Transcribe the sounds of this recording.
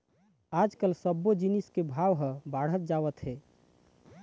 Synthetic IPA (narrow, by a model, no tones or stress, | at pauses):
ad͡ʒkəlsəbːod͡ʒiniskebʱaʋɦə̃baɽ̤ət̪̚d͡ʒaʋət̪ɦe